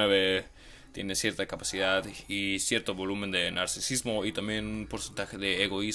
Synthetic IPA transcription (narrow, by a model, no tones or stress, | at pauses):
eβe | t̪je̞̰ne̞sje̞ɾt̪akapasiðaðisje̞ɾt̪oβo̞lumend̪enaɾsisizmo̞it̪ambje̞nunpo̞ɾse̞nt̪axe̞ðeːɣo̞i